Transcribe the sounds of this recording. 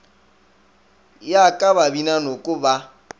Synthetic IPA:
jakʼaβabinanokʼʊba

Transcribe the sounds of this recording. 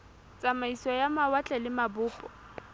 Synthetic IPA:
t͡sʼamaisɔjamawat͡ɬʼɛlɪmabʊːpʼɔ̥

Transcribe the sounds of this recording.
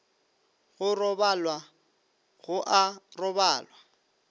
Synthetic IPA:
ɣʊrɔbalwa | ɣʊʔarɔbaːlwa

